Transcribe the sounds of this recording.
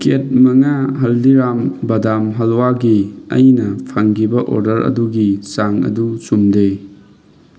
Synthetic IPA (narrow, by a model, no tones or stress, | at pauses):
ket̚mɐŋaɦɐldiɾambɐdamɦɐlwaɡiɐ̰jnɐpʰaŋɡibɐʔo̰ɾdɐɾɐ̰duɡisaŋɐ̰dusumde